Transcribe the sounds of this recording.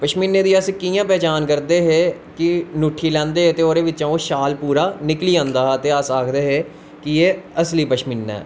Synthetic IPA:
pəʃmɪnːeːd̪iːəskijãːpɛːt͡ʃaːnkəɾd̪eːɦeː | kɪnuːʈʰiːlɛ̃ːnd̪eːɦeːt̪eːoːɾeːʋɪt͡ʃãːoːʃaːlpuːɾaːnɪkliːãːnd̪aːt̪eːəsaːkʰd̪eːɦeː | kɪeːəsliːpəʃmɪnːɛ̰ː

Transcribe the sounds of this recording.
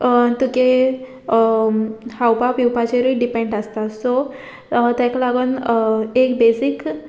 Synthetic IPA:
t̪uke | hawpapiwpat͡ɕeɾiɖipẽɳɖast̪at̪so | t̪ɛ̃klaɡənekbesik

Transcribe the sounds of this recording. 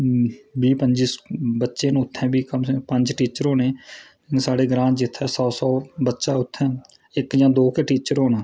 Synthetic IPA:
biːpəɲd͡ʒisbətːʃeːnũʊt̪ʰːɛ̃ːbiːkəmpə̃ɲd͡ʒʈiːt͡ʃəɾɦoːnẽː | saːɽeːɡɾãːt͡ʃd͡ʒɪt̪ʰːɛːsɔːsɔːbətːʃaːʊt̪ʰːɛ̃ː | ɪkd͡ʒãːd̪oːkeʈiːt͡ʃəɾɦoːnaː

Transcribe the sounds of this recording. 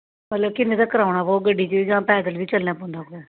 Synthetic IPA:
mət̪ləbkɪnːẽːd̪aːkəɾaːʊɳaːbɔːt̪̚ɡəɖːiːt͡ʃiiːd͡ʒãːpɛːd̪əlʋiːt͡ʃəlnãːpõːnd̪aːkoɛː

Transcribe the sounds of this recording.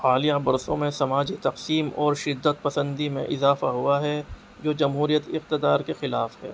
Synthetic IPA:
aːlijabɐɾsõ̰mẽsɐmaːd͡ʒit̪ɐqsiːmɔːɾʃɪd̪ːət̪̚pɐsə̃nd̪imḛ̃ʔɪzaːfaɦʊaɦɛ | d͡ʒoːd͡ʒɐmɦuːɾijət̪ɪq̚t̪ɪd̪aːɾkexɪlaːfhɛ̰ː

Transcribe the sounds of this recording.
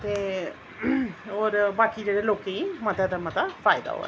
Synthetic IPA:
t̪eː | oːɾbaːkid͡ʒeːɽeloːkeimət̪jad̪amat̪afʰaːɪd̪a̰ɦo̰ːɛ̰

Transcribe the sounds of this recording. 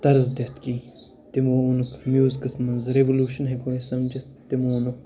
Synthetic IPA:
t̪ɐɾzd̪ʲɐt̪kiː | t̪imonukmjuːzkɐsmɐnzɾeʋoluːʃɐnɦekoːisɐmd͡ʒit̪ːimoːnuk

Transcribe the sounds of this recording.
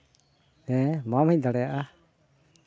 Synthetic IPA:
ɛ̃mamɛc̚d̪aɽɛjaʔa

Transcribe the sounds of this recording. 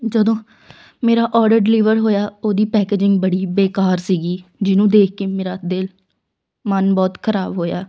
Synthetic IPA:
d͡ʒəd̪õː | meːɾaːʔɔːɾɖəɾɖɪliːʋəɾɦoːjaːoːd̪iːpɛːkeːd͡ʒɪŋɡ̚bəɽiːbeːkaːɾsiːɡiːd͡ʒɪnũːd̪eːk̚ʰkeːmeːɾaːd̪ɪl | mənbɔːt̪kʰəɾaːbɦoːjaː

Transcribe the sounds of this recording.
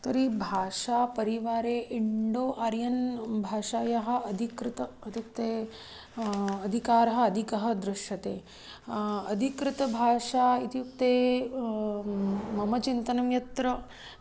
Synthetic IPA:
t̪ɐɾibʱaːʂaːpɐɾiʋaːɾeːʔiɳɖoːʔaɾjɐnbʱaːʂaːjɐɦɐ̆ɐd̪ʱikɾɪt̪ɐ | it̪ik̚t̪eː | ɐd̪ʱikaːɾɐɦɐ̆ːd̪ʱikɐɦɐ̆d̪ɾɪʃjɐt̪eː | ɐd̪ʱikɾɪt̪ɐbʱaːʂaːit̪ijuk̚t̪eː | mɐmɐt͡ʃint̪ɐnɐmjɐt̪ɾɐ

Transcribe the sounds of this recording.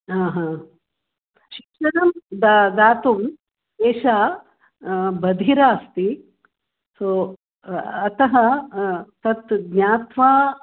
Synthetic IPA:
aːɦãː | ʃikʂɐnɐmd̪ad̪aːt̪um | eːʃaː | bɐd̪ʱiɾaːst̪i | soː | ɐt̪ɐɦɐ | t̪ɐt̪ɡɲaːt̪ʋaː

